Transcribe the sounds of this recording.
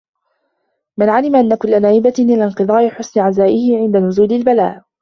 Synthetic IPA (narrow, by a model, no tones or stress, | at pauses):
mɪnʕalɪmaʔanːakʊlːanaːʔɪbaʔɪlanqɨðˤɑːʔɪħʊsnɪʕazaːʔɪhɪʕɪnd̪anʊzuːlɪlbala̰ːʔ